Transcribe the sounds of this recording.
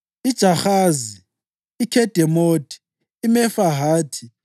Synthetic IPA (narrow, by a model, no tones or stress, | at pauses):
id̥ʒ̥ʱaxaːziː | kʰɛd̥ʱɛmotʰʼi̥ː | mɛfaɦaːtʰi